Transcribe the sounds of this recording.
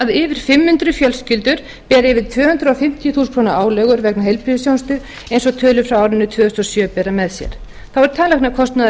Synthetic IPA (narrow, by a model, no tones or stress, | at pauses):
aðɪːvɪɾ̥fɪmhʏnt̪ɾʏfjœlscɪlt̪ʏɾ̥ | pɛːɾɪvɪð̥t̪ʰvœːhʏnt̪ɾʏɔwfɪm̥t̪jʏθuːskʰɾownaʔaːwlɛɣʏɾvɛknaɦejlpʰɾiðɪsjawnst̪ʏ | ejnsɔɣt̪ʰœːlʏfɾawaːwɾɪnːʏt̪ʰvœːðʏst̪ɔsjœːpɛːɾamɛðsjɛ̰ɾ̥ | θawɛɾ̥t̪ʰaːnlɛxknakʰɔst̪na